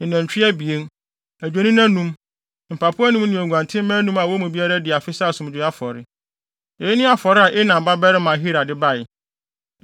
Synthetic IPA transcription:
ɪ̃˨næ̃˨t͡ɕᶣi˦ɛ˦bi˨e˦n | æ˨d͡ʑᶣe˨˦nĩ˦nã˦nũ˦m | m̩˨pʰa˨pʰʊ˦a˦nũ˦mnĩ˨æ˨ɡʷã˨ntʰɪ̃˦mɛ̃˦nũ˦ma˨wɔ˦mũ˨bi˦a˦ɾa˦dɪ˨a˨fɪ˦sa˦˨sʊ̃˨m˨d͡ʑᶣɪ˨˦a˦fɔ˨ɾɪ˦ | e˨jnɪ̃˦a˦fɔ˨ɾɪ˦a˨ʔɪ˦nã˨m˨ba˦bɛ˦ɾɪ˦mã˨ɦi˦ɾa˨dɪ˦ba˦˨ɪ˨

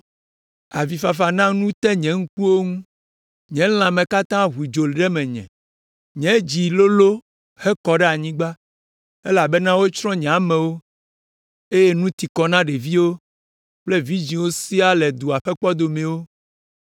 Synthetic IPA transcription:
a˨vi˨fa˨fa˨nã˦nũ˦t̪ɛ˦ɲɛ̃˨ŋ̩˦k͡pu˦wo˦ŋũ˦ | ɲɛ̃˨˦l̃ã˨mɛ̃˨ka˦t̪ã˦ɦu˨i˨d͡ʒo˨lɖɛ˦mɛ̃˨ɲɛ̰̃˨ | ɲɛ̃˨˦d͡ʑi˨lo˦lo˦ | he˦kɔ˨ɖɛ˦a˨ɲĩ˦ɡ͡ba˦ | e˦la˨be˦nã˦wo˦t͡ʃɾɔ̃˦ɲɛ̃˨a˨mɛ̃˨wo˦ | e˦je˦nũ˦t̪i˨kɔ˨nã˦ɖe˨vi˦wo˦ | k͡ple˦vi˦d͡ʑĩ˨wo˦si˦a˦lɛ˨d̪u˨a˨ɸɛ˦k͡pɔ˦d̪o˨mɛ̃˨wo˦

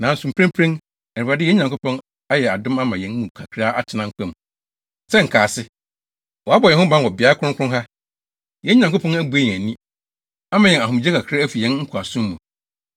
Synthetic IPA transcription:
nã˨n̩˨sũ˨m̩˨pʰɾɛ̃˦mpʰɾẽ˦n | ɛ˨a˨dɪ˦˨ɛ˦ɲã˨ŋkʰʊ˦pʰɔ̃˦n | a˦jɛ˨a˨dʊ̃˦ma˦mã˨jɛ̃˦n˦mũ˨kʰa˨kʰɾa˦ʔa˦t͡ɕʰɪ˦nã˦ŋ̩˦kʷʰɛ̃˦˨m | sɛ˦ŋ̩˨kʰaː˨sɪ˦ | wɔ˨a˦bɔ˨ɛ˨hʊ˦bã˦n˨wɔ˨bɪ˨a˦kʰʊ̃˦kʰʊ̃˦ɦa˦ | jɛ˦ɲã˨ŋkʊ˦pʰɔ̃˦næ˦bu˨e˦jɛ̃˨æ˨nĩ˦ | a˦mã˨jɛ̃˨na˨ɦʊ̃˨m˨d͡ʑɛ˦kʰa˨kʰɾa˦æ˦fi˨jɛ̃˦n˦ŋ̩˦kʰa˨sʊ̃˦mː˦ũ˨

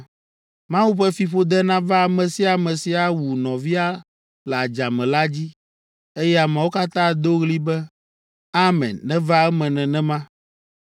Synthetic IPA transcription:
mã˦wu˦ɸɛ˦fi˨ɸo˦d̪ɛ˦nã˦va˦˨mɛ̃˨si˦a˨mɛ̃˨si˨a˨wu˨nɔ̃˨vi˦a˦ | lɛ˨a˨d͡ʒa˨mɛ̃˨la˦d͡ʑi˦ | e˦jɛ˦a˨mɛ̃˨wo˦ka˦t̪ã˦d̪o˦ɣli˦bɛ˦ | a˦mɛ̰̃˨nːɛ̃˦va˦ɛ˦mɛ̃˨nɛ̃˨nɛ̃˦mã˦

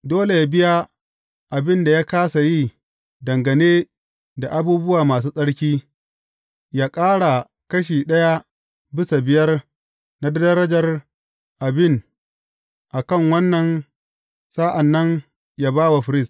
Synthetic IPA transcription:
doː˦le˨ja˦bɪ˦ja˦ | ʔa˨bɪ˦nda˨jaː˦kaː˦sa˨ji˦˨ | dɐ˨ŋɡɐ˨neː˦ | da˨ʔa˦buː˦bʊ˦waː˨maː˨s̬uː˦sʼɐ˦ɽkʲiː˦ | jaː˦kʼaː˦ɽa˨ | kɐ˦ʃ̬iː˨ɗɐ˦ja˦ | bɪ˦sa˨bɪ˦jɐ˦r | na˦dɐ˦dɐ˦ɾɐ˦d͡ʒɐ˨r | ʔa˨bɪ˦˨n | ʔa˨kɐ˦˨ŋwɐ˦nːɐ˨n | saː˦ʔa˨nːɐ˦n | ja˦baː˦wa˨ɸɪ˨ɾɪ˦˨st

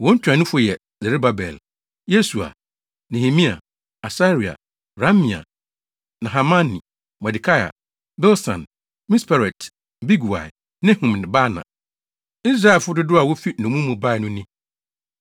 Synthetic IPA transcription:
wɔ̃˦ɲ̩˦t͡ɕʰᶣã˨nʊ̃˦fʊ˦jɛ˨ | zɛ˨ɾe˦ba˦bɛ˨l | je˦su˨a̰˨ | nɛ̃˨hi˨mĩ˦a̰˨ | a˨sa˦ɾi˨a̰˨ | ɾa˦mĩ˨a̰˨ | nã˨ɦa˨mã˦nḭ̃˨ | mɛ˨di˨kʰa˦ja̰˨ | bɛ˦lsã̰˨n | mĩ˦spʰa˨ɾɛ˨t | bi˦ɡu˨a̰˨ɛ˨ | nɪ̃˦hũ˨m˨n˨ba˦nã̰˨ | i˦s̬ɾa˦˨lfʊ˦dʊ˦dʊ˦a˨wo˦fi˦nʊ̃˨mũ˦mũ˨ba˦˨ɛ˨nʊ̃˦nĩ˦

